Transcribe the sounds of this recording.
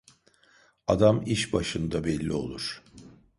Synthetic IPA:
ad̪amiʃbaʃɯnd̪abɛlʲːio̞̰lˠuɾ̥

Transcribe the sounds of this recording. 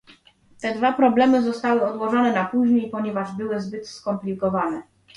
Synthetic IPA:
t̪ɛd̪vapɾɔblɛmɘzɔst̪awɘɔd̪wɔʐɔnɛnapuʑɲejpɔɲɛvaʐbɘwɘzbɘt̪skɔmplʲikɔvanɛ

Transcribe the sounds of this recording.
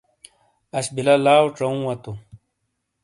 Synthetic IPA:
ɐɕbilɐlaːwʈ͡ʂɐũwɐt̪u

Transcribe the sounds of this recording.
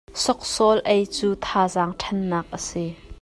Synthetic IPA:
sɔk̚sɔlʔɐjt͡suːt̪ʰaːzaːŋʈʰɐnːaːk̚ʔəsi

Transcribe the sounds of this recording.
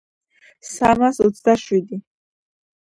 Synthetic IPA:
samasɔt̪sʰd̪aʃwid̪i

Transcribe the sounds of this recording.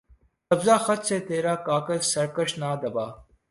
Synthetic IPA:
kɐbzaːxɐt͡ʃseːt̪eːɾaːkaːkəlsɐɾkəʃnaːd̪ɐbaː

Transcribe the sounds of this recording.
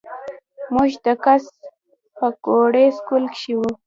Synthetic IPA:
mʊʒd̪akas | pəkoɽeskʊlkʃiwu

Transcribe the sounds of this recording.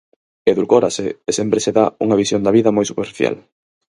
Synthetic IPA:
eðulkoɾaseːsempɾeseðauŋɐβisjond̪ɐβiðɐmojsupeɾfiθja̰l

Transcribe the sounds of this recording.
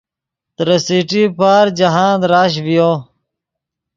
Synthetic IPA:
t̪ɾəsiʈiːpaːɾd͡ʒɐɦãːd̪ɾaːɕ̬ʋijoː

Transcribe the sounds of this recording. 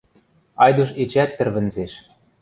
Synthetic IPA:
ɑjd̪uʃ̬et͡ɕæt̪ːɘ̆rβɘ̆nzeʃ

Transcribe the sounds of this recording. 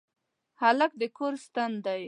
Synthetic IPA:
halak̚d̪əkʰoɾst̪and̪aj

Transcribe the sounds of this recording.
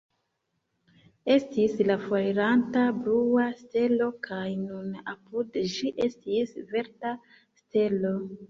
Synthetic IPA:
e̞stislafojɾantabluaste̞lo̞kʰajnunapudd͡ʒiʔe̞stisve̞ɾta | ste̞lo̞

